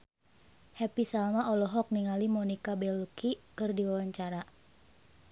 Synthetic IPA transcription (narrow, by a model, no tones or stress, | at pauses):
hɛpisalmaɔlɔɦɔk̚niŋalimɔnikabɛlukʰikɨrdiwawaɲt͡ʃaɾa